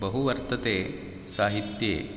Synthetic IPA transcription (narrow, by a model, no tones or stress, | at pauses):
bɐɦuʋɐɾt̪ɐt̪eː | saːɦit̪jḛː